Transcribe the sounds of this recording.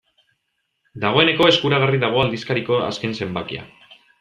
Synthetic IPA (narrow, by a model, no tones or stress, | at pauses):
d̪aɣ̞o̞e̞ne̞ko̞e̞skuɾaɣ̞ariðaɣ̞o̞ald̪iskaɾiko̞a̰ske̞nse̞mbakia̰